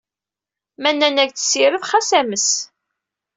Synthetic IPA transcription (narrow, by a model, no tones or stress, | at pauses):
mænːænæɡt͡sə̥sːiɾəðχæsæməs